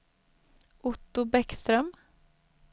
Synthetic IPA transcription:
ʔʊt̪ːʊbɛkst̪ɾœm

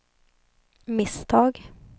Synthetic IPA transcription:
mɪsd̪ɑːɡ

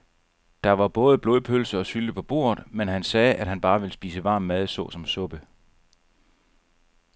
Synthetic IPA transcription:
d̥ɑ̈ʋɑ̈b̥ɔ̽ːð̞ˠb̥lo̝ðˠpʰølsəɒ̽syld̥əpʰɒ̽b̥o̝̰ːɐðˠmenɦænsɛːʔæd̥hænb̥ɑ̈ːʋe̝lsb̥ḭːsəʋɑ̈ːmːæð̞ˠsɔ̰̽sɒ̽msɔ̽b̥ə

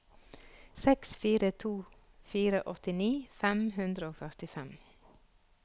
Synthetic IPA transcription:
sɛksfiːɾət̪ʰuː | fiːɾəʔɔt̪ɪniːfɛmhʉnd̪ɾəoːfœʁt̪ɪfɛm

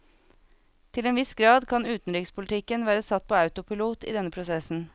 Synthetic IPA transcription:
t̪ʰɪleːnʋɪsɡɾɑːd̪kʰɑnʉːt̪n̩ɾɪkspʰʊlt̪ʰɪkənʋæːɾəsɑt̪̚pʰoːɑʉt̪ʊpʰɪluːt̪ḭːd̪ɛnəpʰɾʊsɛsn̩

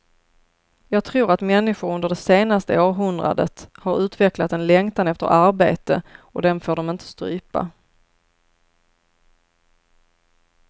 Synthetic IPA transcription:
jɑːɡ̚t̪ʰɾuːɾat̪mɛnːɪɧʊɾɵnd̪əɖɛseːnast̪əoːɾɦɵnd̪ɾa̰d̪ə̰t̪haɾʉ̟ːt̪vɛklat̪ɛnlɛŋt̪anɛft̪ə̰ɾʔaɾbeːt̪əɔd̪ɛnfoːɖɔmɪnt̪ʰə̥st̪ɾy̰ːpa̰

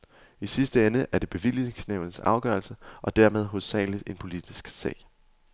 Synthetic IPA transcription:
isisd̥əenəʔæɐd̥e̝b̥e̝ʋil̰e̝ŋsneʊ̰n̩sɑ̈ʊɡ̥ɶɐlsəʔɒ̽d̥æɐ̰með̞ˠɦo̽sːɛ̰ːlidˠe̝npʰo̝lid̥isɡ̥sɛ̰ːɪ

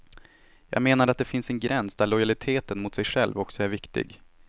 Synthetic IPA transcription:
jɑ̰ːɡmeːnaɾat̪̚d̪ɛfɪnsɛnɡɾɛnsd̪æɭɔjalɪt̪ʰeːt̪ənmʊt̪sɛjɧɛlvɔksɔæɾvɪkt̪ɪ̰ɡ

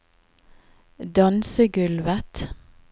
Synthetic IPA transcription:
d̪ɑnsəɡʉlʋət̪

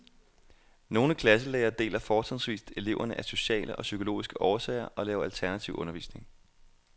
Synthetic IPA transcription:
no̝ːnəkʰlæs̬əlɛːɐːd̥e̝̰ːlɐfɒ̥ːsʰɛðˠsʋḭːsd̥e̝le̝ʊɐnəʔæso̝ɕɛ̰ːləʔɒ̽sykʰolo̝̰ːisɡ̥əʔɒːɐsɛ̰ːɪɐʔɒ̽lɛːʊɐælt͡sʰæɐnæt͡sʰiʊʔɔ̽nɐʋḭːsne̝ŋ

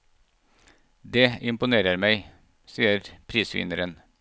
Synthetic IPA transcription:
d̪eːɪmpʊneːɾəɾmæɪ | siːəɾpʰɾiːsʋɪ̰nəɾən

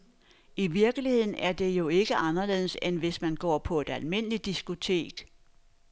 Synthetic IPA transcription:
iʋiɐɡ̥əlihe̝ð̞̰ˠn̩æɐd̥e̝jo̝e̝ɡ̥əʔɑ̈nɐle̝̰ːð̩ˠəsenʋe̝smænɡ̥ɒ̰ːpʰɒ̽e̝d̥ælme̝n̰əlid̥isɡ̥ut͡sʰe̝̰ːɡ̥

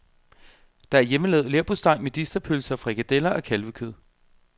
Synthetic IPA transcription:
d̥ɑ̈æɐjeməlɛːð̩ˠleɐb̥osd̥ɑ̈ɪ̰med̥isd̥ɐpʰølsɐfʁɑeɡ̥æd̥elɐʔɒ̽kʰælʋəkʰøð̰ˠ

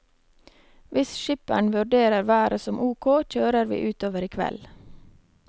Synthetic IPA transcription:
ʋɪsʃɪpæ̰ɳʋʉɖeːɾəɾʋæːɾəsɔmʔuːkʰoːc͡çøːɾəɾʋḭːʔʉːt̪oːʋəɾiːkʰʋɛ̰l

